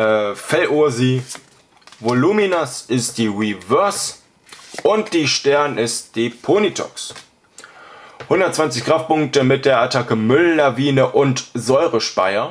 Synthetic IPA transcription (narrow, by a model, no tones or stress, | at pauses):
ʔɛfɛlʔuɐziː | voluminasʔɪst̚d̥iːʁivœɐs | ʔʊntd̥iːʃtɛɐnɪstd̥iːpʰonitʰɔ̰ks | hʊndɐt̚t͡sv̥ant͡sɪçɡ̥ʁ̥aftpʊŋk̚təmɪt̚d̥eːɐʔatʰakəmʏlnaviːnəʔʊntzɔʏʁəʃpaɪɐ